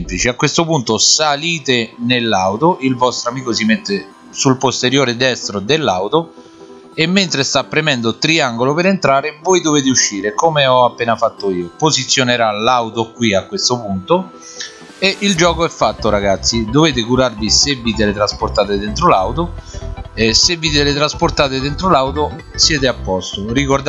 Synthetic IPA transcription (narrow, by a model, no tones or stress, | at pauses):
mplit͡ʃiakːwest̪opunt̪osaliːt̪enelːawt̪oʔilvɔst̪ɾoamiːkosimet̪ːe | sulpost̪eɾjoːɾed̪ɛst̪ɾod̪elːawt̪o | emːent̪ɾest̪apːɾemɛnd̪ot̪ɾiaŋɡolopeɾent̪ɾaːɾɪvojd̪oveːt̪̬euʃːiːɾekomeɔapːeːnafat̪ːoiːopozit̪sːjoneɾalawt̪okwiakːwest̪opunt̪o | eʔild͡ʒɔːkoɛfːat̪ːoɾaɡat̪sːid̪oveːt̪̬ɪkuɾarvisevːiːt̪elet̪ɾaspoɾt̪aːt̪ed̪ent̪ɾolawt̪o | esevːiːt̪elɪt̪ɾaspoɾt̪aːt̪ed̪ent̪ɾolawt̪o | sjɛːt̪̬eapːɔst̪orikord̪